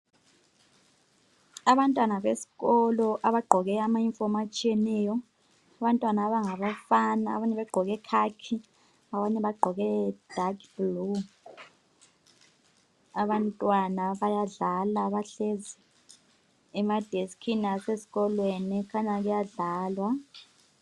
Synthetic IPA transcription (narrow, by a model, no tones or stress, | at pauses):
aβantʼwanaβesi̥ɣɔlɔʔaβaɡ͡ǃʱɔɣɛamaiɱfɔmat͡ʃʼijɛnɛːjɔ | aβantʼwanaːβaŋaβafana̰ːβaɲɛβɛɡ͡ǃʱɔɣɛkʰakʰi | aβaɲɛβaɡ͡ǃʱɔɣɛd̥ʱakb̥lu | aβantʼwanaβajaɮalaβaɬezi | ɛmad̥ʱeskʰinasesi̥ɣɔlwenɛkʰaɲaɣujaɮaːlwa